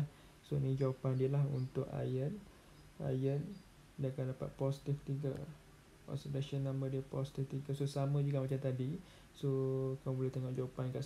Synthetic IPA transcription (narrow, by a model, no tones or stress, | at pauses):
sonĩd͡ʒawapandiəlaɦṵnt̪ʊka̰jən | a̰jən | dakandapa̰t̪̚pɔsi̥t̪ift̪iɡə̰ | ɔ̰səd̪aʃənːãmə̃diəpɔsi̥t̪ift̪iɡəsosamə̃d͡ʒuɡamat͡ʃamt̪adi | sokamũbolɛht̪əŋɔʔd͡ʒawapankaʔs